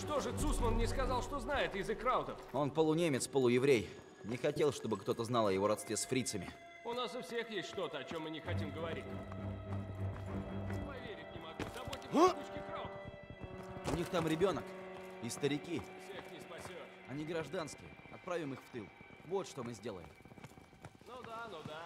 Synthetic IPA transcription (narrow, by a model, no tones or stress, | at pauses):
ʂt̪o̞ʐɨt̪susmənnʲɪskɐzɑlˠʂt̪oznajɪt̪ɪzɨkɾaʊt̪əfo̞npəlˠʊnʲemʲɪt̪spəlˠʊjɪvɾʲej | nʲɪxɐtʲe̞lˠʂt̪o̞bɨkt̪o̞t̪əznalˠɐjɪvo̞ɾɐt̪st̪vʲesfɾʲit̪səmʲɪ̰ | ʊnasʊfsʲe̞xjesʲtʲʂt̪o̞t̪əɐt͡ɕo̞mːɨnʲɪxɐtʲimɡəvɐɾʲitʲ | pɐvʲeɾʲɪfʲnʲɪmɐɡuzɐbotʲɪkut͡ʃʲkʲɪkɾaʊt̪əf | ʊnʲixt̪amɾʲɪbʲo̞nəkɪst̪əɾʲɪkʲifsʲexnʲɪspɐsʲot̪ | ɐnʲɪɡɾɐʐd̪anskʲɪ̰jɐ̰t̪̚pɾavʲɪmɨxft̪ɨlˠ | vo̞t̪ʂt̪o̞mɨzʲdʲe̞lˠə̰jɪ̰m | nud̪anud̪a